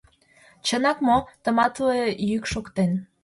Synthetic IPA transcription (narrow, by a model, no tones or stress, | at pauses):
t͡ɕənɑkmot̪ə̆mɑt̪uejykʃokt̪en